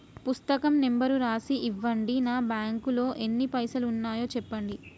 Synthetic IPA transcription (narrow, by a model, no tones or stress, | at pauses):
pust̪ɐkɐmnembɐɾuɾaːsiʔːʋːɐɳɖinaːbjaːŋkulo̞ːʔe̞nːipɐjsɐluunːaːjo̞ːt͡ʃɛpːɐɳɖi